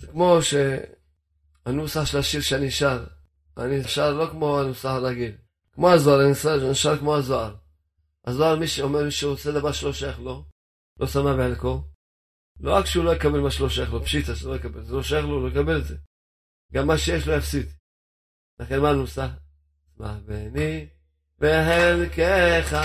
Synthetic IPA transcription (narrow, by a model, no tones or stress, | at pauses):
z̥ekmo̞ʃe | anusaħʃelaʃiʁʃeaniʃaʁ | aniʃaʁlo̞kmo̞anusaħalaɡil | kmo̞azoaʁanisaniʃaʁkmo̞azoaʁ | azoalmiʃeomeʁmiʃeʁot͡sed̪avaʁʃelo̞ʃajaχlo̞ | lʔosamabeanko | loʁakʃeulo̞jekabelmaʃeloʃajaχlopʃit̪aʃulojekabelzeloʃajaχloulojkabeletze | ɡamːaʃejeʃlojafsid̪ | laχenmanosaħ | sma̰ħveani | vehenkeχa